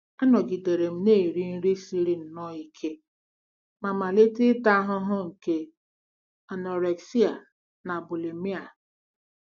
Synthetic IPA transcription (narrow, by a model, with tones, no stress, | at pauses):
a˦nɔ˨ɡi˨de˨ɾe˨m̩˦neː˦˨ɾi˦n̩˦ɾi˦si˦ɾi˦n̩˨nɔ˦i˨kʰe˦ | ma˨ma˨le˦tɪ˦ta˦ɦʊ˦ɦʊ˦ŋ̩˨ke˦ | a˨nɔ˨ɾe˨ksi˦a˨ | na˨bu˨le˨mi˦a˨